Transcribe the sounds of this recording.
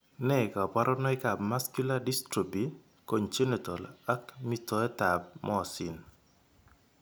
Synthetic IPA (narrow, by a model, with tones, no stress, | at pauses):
nɛ˦˨ka˨pa˦ɾʔɔnɔ˦ɪ˦ka˨bma˦skju˦ladi˦stɾi˨bi˨ | ko˨ɲt͡ʃe˦ne˨to˨la˦kmi˦tɔ˨ɛ˦ta˨b̚mʔɔ˦ɔ˨si˨n